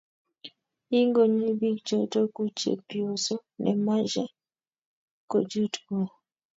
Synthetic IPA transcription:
i˦ŋɡo˨ɲi˦bi˦k̚d͡ʒo˨to˦ku˦t͡ʃḛ˨pi˨o˨so˦nʔɛ̰˨ma˦d͡ʒɛ˦ | ko˨d͡ʒu˦tko˨

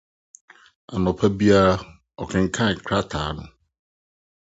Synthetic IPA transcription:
a˨nɔ˨pʰa˦bi˦a˦ | ɔ˨kʰɛ̃˨ŋ̩˨kʰã˦˨ŋ̩˨kʰɾa˦tʰa̰˨˦nʊ̰̃˨

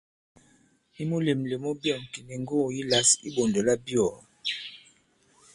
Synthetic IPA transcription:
i˦mo˦le˨m˨le˨mo˦bjɔ˦˨ŋ˨ki˨ni˨ŋ˦ɡo˦˨ji˦la˦sḭ˦bo˨ndo˨la˦bjɔ˨

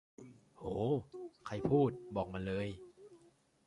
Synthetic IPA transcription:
hoː˩˦kʰa˧jpʰuː˥˩t̪̚bɔː˨˩k̚ma˧nlɤː˧j

